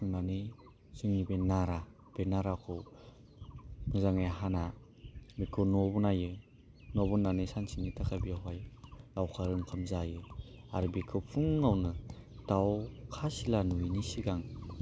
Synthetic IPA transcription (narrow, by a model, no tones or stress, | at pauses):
ŋnane | sɯŋnibenaɾa | b̥enaɾakʰɯw | ŋɯzaŋeɦana | bikʰɯnɔbunajɯ | nɔbunːanesansiŋnitʰakʰabiaɦajlawkʰaɾɯŋkʰamzajɯaɾbikʰɯpʰuŋːawnɯd̥awkʰasilanujnisiɡaŋ